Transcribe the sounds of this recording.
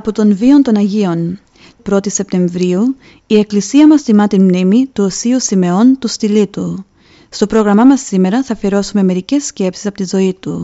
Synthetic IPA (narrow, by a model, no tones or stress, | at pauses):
ɐpo̞t̪o̞nvio̞nt̪o̞nɐʝio̞n | pɾo̞t̪ise̞p̚t̪e̞ɱvɾiu | ie̞klisiɐmɐst̪imɐt̪inmnimit̪uosiusime̞o̞nt̪ust̪ilit̪u | st̪o̞pɾo̞ɣɾɐmɐmɐsːime̞ɾɐθɐfieɾo̞sume̞me̞ɾice̞sce̞psisɐpot̪izo̞it̪u